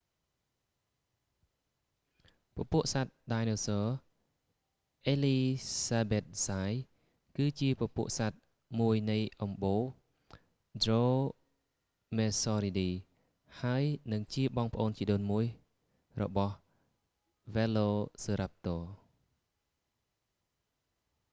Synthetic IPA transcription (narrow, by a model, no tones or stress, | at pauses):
pə̆puəʔsat̪̚ɗaːjnoːsɔː | ʔeːliːsaːbeːt̪̚saːj | kɨːt͡ɕiəpəpuəʔsat̪̚ | muəjnɨjʔɑmɓoː | droː | meːsɔːɾiɗiː | haəjnɨŋt͡ɕiəɓɑːŋpəʔoːnt͡ɕiəɗoːnmuəj | rɔ̰ɓɑh | ʋɛloːsəːɾap̚t̪oː